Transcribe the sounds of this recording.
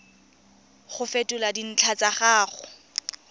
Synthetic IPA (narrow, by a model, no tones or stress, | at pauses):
χʊfetʼʊladin̩t͡ɬʰat͡saχaːχʊ